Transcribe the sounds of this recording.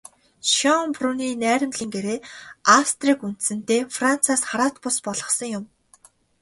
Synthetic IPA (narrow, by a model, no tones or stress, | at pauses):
ʃɔŋpruniːnæːɾʲɪ̆mɮiːŋɡeɾeːast̪riːkun̥t̪sɘ̆n̥t̪eːfran̥t͡sʰaːsχaɾaːt̪pʊspɔɮʁɞ̆χsə̆ŋjʊm